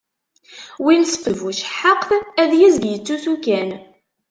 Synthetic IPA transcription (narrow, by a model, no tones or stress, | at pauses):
winsə̥fəvuʃħəqθæðjizɡjət͡sːuθukæn